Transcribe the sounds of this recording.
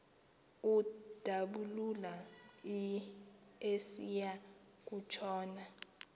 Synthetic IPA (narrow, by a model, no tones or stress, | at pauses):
ud̥ʱaɓululai | esija | k̬ut͡ʃʰɔːna